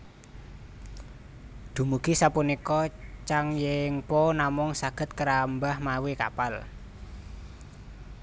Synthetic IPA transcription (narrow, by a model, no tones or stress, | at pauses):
d̪̥ṳmuɡ̥i̤sapunikɔt͡ʃaŋjɪŋponamʊŋsaɡ̥ə̤t̪̚kəɾambahmawika̰pal